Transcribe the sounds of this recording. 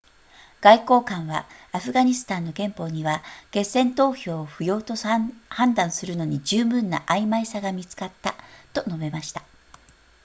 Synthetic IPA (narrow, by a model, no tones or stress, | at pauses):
ɡ̥aiko̞ːkãɰ̃βa̰aɸɯ̟ɡaɲ̟isɨ̥t̪ãnːo̞ɡẽ̞mpo̞ɲ̟iβake̞sẽ̞nt̪o̞ːçʲo̞ːɸɯ̟jo̞ːt̪o̞hãnd̪ãɰ̃sɨɾɯ̟no̞ɲ̟id͡ʑɨːbɯ̟̃nːa̰ʔaimaisaɡamʲit͡sɨ̥kat̪ːat̪o̞no̞be̞maɕi̥t̪ḁ